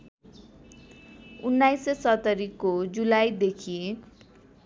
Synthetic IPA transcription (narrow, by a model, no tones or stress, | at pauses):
unːajsesʌt̪ʌɾikːod͡zulajd̪ekʰi